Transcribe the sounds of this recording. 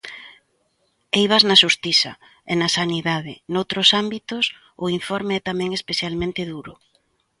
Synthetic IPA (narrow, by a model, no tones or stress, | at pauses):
ejβ̞aznaʃust̪isɐ̰ | enasaniðaðɪnowt̪ɾʊsambit̪ʊs | ʊiɱfɔɾmeɛt̪amɛ̃ŋespeθjalmẽnt̪ɪðuɾʊ